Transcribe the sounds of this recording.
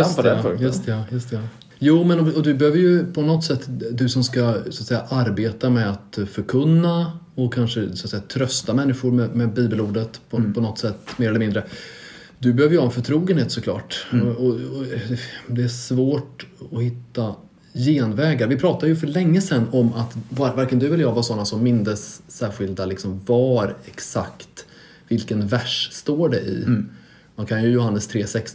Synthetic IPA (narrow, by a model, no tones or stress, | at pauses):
jɵst̪ɛajɵst̪ɛa | juːmɛnɔɔd̪ɵbɛhøːvəɾjɵpʰɔnɔt̪ːsɛt̪ːd̪ɵsɔmskasɔat̪sɛjːaʔaɾbeːt̪amɛat̪fœɾkʰɵnːa | ɔkʰanʂəsat̪sɛjːat̪ʰɾœst̪amɛnːɪɧʊɾmɛmɛbiːbəluːɖət̪pʰɔpʰɔnɔt̪ːsɛt̪ːmeːɾɛləmɪnd̪ɾə | d̪ɵbɛhøːvəɾjʏhaɛnfœʈʰɾuːɡənheːt̪sɔkʰlɑ̰ːʈɔɔ | d̪ɛæʂvoːʈɔhɪt̪ːa | jeːnvɛːɡaɾvɪpʰɾɑːt̪ad̪əjɵfœɭɛŋːəsɛnːɔmat̪vavaɾkənd̪ɵɛləjaːvasɔnːasɔmːɪnd̪əsːæːɾɧɪld̪alɪksɔmvaɾɛksa̰kt̪ | vɪlkənvæʂst̪oːɖɛʔɪ̰ | mankʰanjɵjʊɦanːəst̪ʰɾeːsɛks